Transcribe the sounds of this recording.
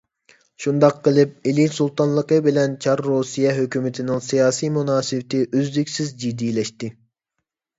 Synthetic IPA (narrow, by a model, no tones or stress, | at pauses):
ʃund̪ɑqːəlˠɨp̚ilinsulˠt̪ɑnlˠəqəbɪlɛnt͡ʃʰɑɾːosijɛɦøkʲymɪt̪ʰɪnɪŋsijɑːsijmunɑːsɨvt̪ʰɪʔøzlykʲsɪzd͡ʒid̪ilɛʃt̪ɪ